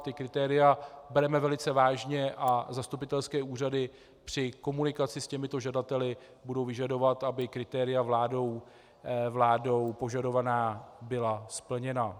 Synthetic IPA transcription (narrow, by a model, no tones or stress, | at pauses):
t̪ɪkɾɪt̪ɛːɾɪjabɛɾɛmɛvɛlɪt͡sɛvaːʒɲɛʔazast̪upɪt̪ɛlskɛːʔuːr̝adɪ | pr̝̥ɪko̞munɪkat͡sɪscɛmɪt̪o̞ʒadat̪ɛlɪ | budo̞wvɪʒado̞vat̪abɪkɾɪt̪ɛːɾɪjavlaːdo̞w | vlaːdo̞wpo̞ʒado̞vanaːbɪlaspl̩ɲɛna